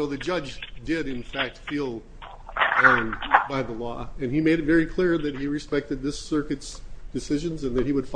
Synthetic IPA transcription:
oʊðɨd͡ʒʌd͡ʒdɪɾɨ̃nfæk̚tfilˠ | baɪðəlɔ̰ɨ̃nimeɪɾɨt̚vɛɹikʰl̥ɪɹðɨt̚hiɹɨspɛk̚tɨd̪̚ðɪsɜ˞kɨtsd̥ɨsɪʒɨ̃nzɨ̃nðɨt̚hiwəd̥f

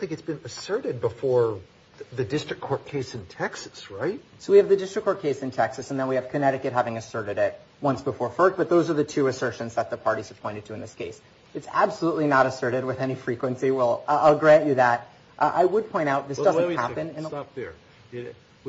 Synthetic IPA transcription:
θɪ̃ŋkɨtsb̥ɨ̃nɨsɜ˞ɾɨd̚bəfɔɹ | ðɨdɪstɹ̥ɨkʰɔɹt̚kʰeɪsɨ̃ntʰɛksɨ̥sɹaɪt̚soʊwiɨvðɨdɪstɹ̥ɨkʰːɔɹt̚kʰeɪsɨ̃ntʰɛksɨsə̃n̩ðə̃nwiɨv̥kʰɨnɛɾɨkɨt̚ɦævɪ̃ŋɨsɜ˞ɾɨɾɪt̚ | wʌ̃nsb̥əfɔɹfɜ˞k̚b̥ʌt̪̚ðoʊzə˞ðɨtʰʉɨsɜ˞ʃɨ̃nzðət̪̚ðəpʰɑɹɾiz̥ə̥pʰɔ̃ɪ̃ɾ̃ɨd̚tʰɨɨ̃nðɪskʰeɪs | ɨtsæb̥səlutˡlinəɾɨsɜ˞ɾɨd̚wɨðɛnifɹikwɨ̃nsiwɛlˠaɪlˠɡɹæ̃nt͡ʃɨðæt̚ | ʔʔa̰ɪwəd̚pʰɔ̃ɪ̃ñtaʊt̪̚ðɪsd̥ʌznhæpɨ̃nɨ̃np̚ə

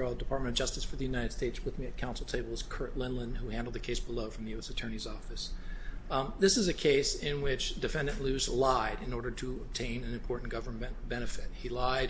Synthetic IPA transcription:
dɨpʰɑɹt̚mɨ̃ʌvd͡ʒʌstɨsfə˞ðɨjʉnaɪɾɨd̥steɪtswɨðmiɨt̚kʰãʊ̃nsl̩ˠtʰeɪbl̩ˠz̥kʰɜ˞ʔˡlɪ̃nlə̃nhuhæ̃ndl̩ˠd̪ðɨkʰeɪsb̥əloʊfɹʌ̃mðjʉɛsɨtʰɜ˞ñizɔfɨs | ðɪsɨzɨkʰeɪsɪ̃nwɪt͡ʃd̥ɨfɛ̃ndɨ̃nʔlʉzlaɪɾɨ̃nɔɹɾə˞ɾəəb̚tʰẽɪ̃nɨ̃nɨ̃mpʰɔɹʔn̩ɡ̥ʌvə˞m̃nb̥ɛñɨfɪt̚hilaɪ

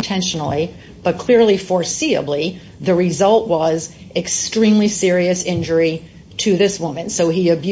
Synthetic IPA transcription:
ntʰɛ̃nʃn̩l̩ˠi | b̥ʌt̚kʰl̥ɪɹlifɔɹsiɨ̰bli | ðɨɹɪzʌlˠʔwʌz | ɨkstɹ̥ĩmlisɪɹiɨsɪ̃nd͡ʒə˞i | ɾɨðɪswʊ̃mɨ̃nsoʊiɨbj

